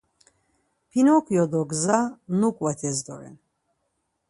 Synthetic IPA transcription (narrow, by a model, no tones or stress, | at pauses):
pʰinɔkʰjɔd̪ɔɡzanukʼwɛt̪ʰɛzd̪ɔ̰ɾɛ̰n